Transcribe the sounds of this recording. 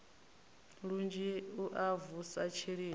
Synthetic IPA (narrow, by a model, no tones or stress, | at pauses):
ɺund͡ʒiuʔavusat͡ʃʰiɺiː